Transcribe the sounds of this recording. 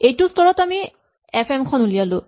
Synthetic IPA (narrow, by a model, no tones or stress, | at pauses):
ejtʊstɔɹɔtami | ɛpʰɛmkʰɔnulijalʊ̃